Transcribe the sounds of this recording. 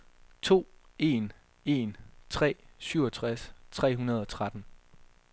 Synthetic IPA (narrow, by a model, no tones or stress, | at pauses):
t͡sʰo̝̰ːe̝n | e̝ːnt͡sʰʁɛ̰ːsyʊɒt͡sʰʁast͡sʰʁɛ̰ːɦunɐð̞ˠɒ̽t͡sʰʁad̥n̩